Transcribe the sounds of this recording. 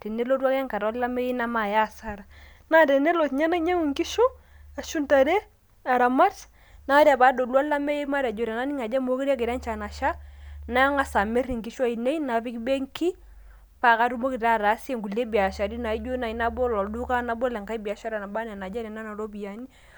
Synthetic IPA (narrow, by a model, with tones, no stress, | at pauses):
te˨ne˦lo˦twa˦ka˦ŋka˨ɾɔ˦la˦me˦je˦na˦ma˨ja˦˨sa˦ɾa˨ | na˦˨te˨ne˦lo˨tɲa˦na˦ɲa˦ŋu˨ŋki˦ʃo˦ | a˨ʃu˦nta˨ɾe˦ | a˨ɾa˨ma˦t | na˨˦ɾja˨ba˨˦do˨lwa˦la˦me˦je˦ma˦ɾa˨d͡ʒo˨ɾa˨na˦ni˦ŋa˨d͡ʒa˦mo˦ki˦ɾa˦ke˨ɾa˦nt͡ʃa˨na˨ʃa˦na˦jɔ˦ŋa˦sa˨me˦ɾi˨ŋki˨ʃo˦a˦i˨ne˦i˦na˨fi˦kbe˦ŋkʰi˦ | pa˨ka˦ɾu˦mo˦ki˨ta˦˨ɾa˨˦se˦˨ŋɡu˨le˦bi˨a˨ʃa˨ɾi˦na˨i˦d͡ʒo˦na˨i˨˦na˦bo˦lɔ˨du˦ka˦na˨bo˦lɛ˨ŋka˦i˦bi˨a˨ʃa˦ɾa˨na˨ba˦n˨a˨na˨d͡ʒa˦ɾɛ˨na˦na˨ɾo˦bi˨a˨ni˦